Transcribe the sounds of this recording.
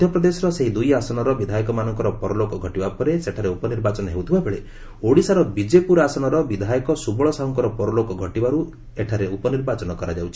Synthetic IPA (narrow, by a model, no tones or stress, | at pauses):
d̪ʱjɔpɾɔd̪esɔɾɔseɦid̪ujasɔnɔɾɔbid̪ʱajɔkɔmanɔŋkɔɾɔpɔɾɔlokɔɡʱɔʈibapɔɾeseʈʰaɾeupɔniɾbat͡ʃɔnɔɦewt̪ʰibabeɭe | oɽisaɾɔbid͡ʒepuɾasɔnɔɾɔbid̪ʱajɔkɔsubɔɭɔsaɦɔŋkɔɾɔpɔɾɔlokɔɡʱɔʈibaɾu | eʈʰaɾeupɔniɾbat͡ʃɔnɔkɔɾad͡ʒawt͡ʃʰi